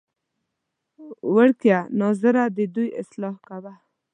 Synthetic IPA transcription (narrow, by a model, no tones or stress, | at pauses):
wəɽkjanɑzəɾad̪ed̪ujɪ̰slɑhkawa